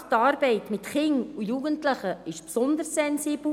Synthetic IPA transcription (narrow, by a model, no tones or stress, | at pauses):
tɑːɾbɛɪtmɪtχɪŋujuːɡ̥əntləχəɪʃpsɔnd̪əɾsɛnsiːbl